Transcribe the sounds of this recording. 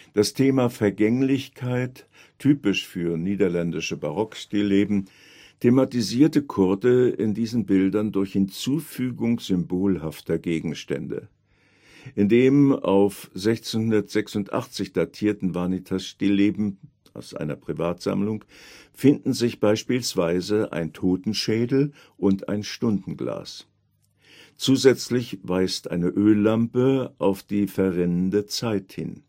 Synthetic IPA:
d̥astʰeːmafɛɐɡɛŋlɪçkʰaɪt | tʰyːpɪʃfyːɐniːdɐlɛndɪʃəbaʁɔkʃtiːleːbm̩ | tʰematiziːɐtəkʰʊɐdəɪndiːzn̩bɪldɐndʊɐçhɪnt͡suːfyːɡʊŋz̥ʏmboːlɦaftɐɡeːɡŋ̩ʃtɛ̰ndə̰ | ʔɪndeːma̰ʊfz̥ɛçt͡senhʊndɐtz̥ɛksʊntʔa̰χt͡sɪçd̥atʰiːɐtn̩vanitʰasʃtɪleːbm̩ | aʊsʔa̰ɪnɐpʁ̥ivaːtz̥a̰mlʊŋfɪndn̩zɪçb̥aɪʃpiːlsv̥aɪzəʔa̰ɪntʰoːtn̩ʃɛːdl̩ | ʔʊnta̰ɪnʃtʊndn̩ɡla̰ːs | t͡suːzɛt͡slɪçv̥aɪstʔa̰ɪnəʔøːlːampəʔaʊfd̥iːfɛɐʁɛnəndət͡saɪthɪ̰n

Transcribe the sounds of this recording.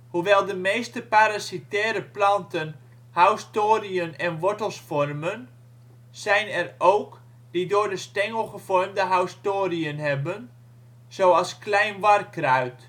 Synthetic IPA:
huʋɛlˠdəmeːstəpaɾasitɛːɾəplɑntən | hawstoːriənɛnʋɔɹtəlˠsfɔrmən | z̥ɛjnɛrowk | d̥idoːrdəstɛŋəlˠχəfɔrmdəɦawstoːriənɦɛbən | z̥owɑlˠsklɛjnʋɑrkraɥt

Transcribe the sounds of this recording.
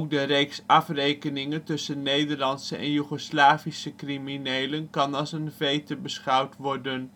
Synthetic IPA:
k̚dərejksɑfrejkənɪŋəntɵsənːejdəɹlɑnsəʔɛ̰njyχoslaːvisəkriminejlənkɑnɑlˠsənvejtəbəsχɑwtʋɔɹdən

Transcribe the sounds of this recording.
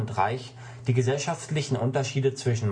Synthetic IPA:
ntʁa̰ɪç | d̥iːɡəzɛlʃaftlɪçn̩ʔʊntɐʃiːdət͡sv̥ɪʃn̩m

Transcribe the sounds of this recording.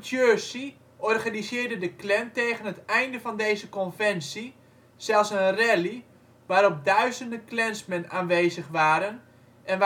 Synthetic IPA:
tjøsi | ʔɔrɣanizɪːrdədəklɛnteːɣənətɛjndəvɑndeːjzəkɔnvɛnsi | z̥ɛlˠsənrɛli | ʋaːɾɔp̚dœɥzəndəklɛnsmənaːnʋeːzəχʋaːɾən | ʔɛnʋ

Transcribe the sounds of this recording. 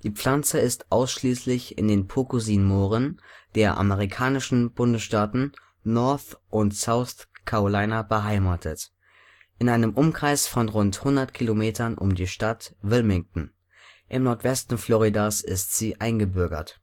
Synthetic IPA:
d̥iːp͡fl̥ant͡səɪstʔaʊsʃliːslɪçɪ̰ndeːnpʰokuziːnmoːʁənd̥eːɐʔa̰məʁ̞ikʰaːnɪʃn̩b̥ʊndəsʃtaːtn̩ | nɔɐθʔʊntz̥aʊθkʰaolaɪnabəɦaɪmaːtʰət | ʔɪnʔaɪnəmʔʊmkʁ̥aɪsfɔnʁʊnthʊndɐtkʰilomeːtʰɐnʔʊ̰mdiːʃtatvɪlmɪŋtn̩ | ʔɪmnɔɐtv̥ɛstn̩flɔʁidasɪstz̥iːʔaɪnɡəbʏɐɡɐ̰t

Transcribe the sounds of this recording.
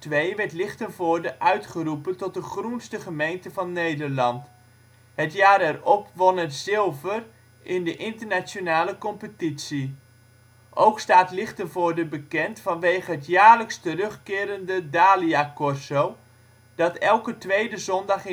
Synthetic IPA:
tʋejʋɛrtlɪχtənvʊːɹdəʔœɥtχərupəntɔt̚dəχrunstəχəmejntəvɑnːejdəɹlɑnt | ɦətjaːɾɛrɔpʋɔnətzɪlˠvər | ʔɪndəʔɪntərnat͡ʃonaːləkɔmpətitsi | ʔowkstaːtlɪχtənvʊːɹdəbəkɛntfɑnʋejχəɦətjaːɹləkstərɵχkɪːɾəndədaːliakɔrsow | d̥ɑtɛlˠkətʋejdəzɔndɑχ

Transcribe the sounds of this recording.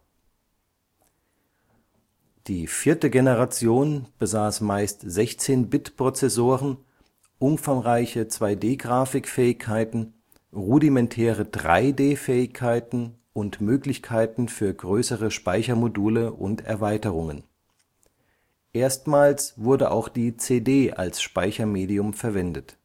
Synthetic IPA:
d̥iːfiːɐtəɡenəʁat͡sjoːnb̥əzaːsmaɪstz̥ɛçt͡seːnbɪtpʁ̥ot͡sɛsoːʁən | ʔʊnfaŋʁaɪçət͡sv̥aɪdeːɡʁaːfɪkfɛːɪçkʰːaɪtn̩ | ʁudimɛntʰɛːʁədʁa̰ɪdeːfɛːɪçkʰaɪtn̩ | ʊntmøːklɪçkʰaɪtn̩fyːɐɡʁøːsəʁəʃpaɪçɐmoduːləʔʊ̰ntɛ̰ɐvaɪtəʁʊŋən | ʔeːɐstmaːlsv̥ʊɐdəʔa̰ʊxd̥iːt͡seːdeːʔa̰lsʃpaɪçɐmeːdiʊmfɛɐvɛndət

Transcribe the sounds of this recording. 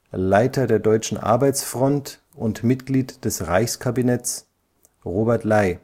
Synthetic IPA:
laɪtʰɐdeːɐdɔʏt͡ʃn̩ʔa̰ɐbaɪt͡sfʁ̥ɔnt | ʊntmɪtɡ̥liːtd̥ɛsʁaɪçskʰabinɛt͡s | ʁoːbɛɐtlaɪ

